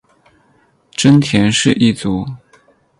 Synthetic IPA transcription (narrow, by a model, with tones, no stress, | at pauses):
ʈ͡ʂə˥nt̪ʰjɛ˧˥nʂɻ̩˥˧ʔi˥˩t͡su˧˥˦